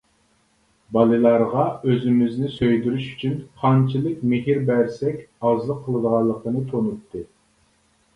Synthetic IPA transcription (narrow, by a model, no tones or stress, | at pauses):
bɑlˠɨlˠɑɾʁɑøzymɪznɪsøjd̪yɾyʃy̥t͡ʃʰynχʰɑnt͡ʃʰilˠɪkʲmɪɦiɾbæɾsɛkʲɑzlˠəqʰːəlˠɨd̪əʁɑlˠːəqənɨt̪ʰonut̪ʰːɨ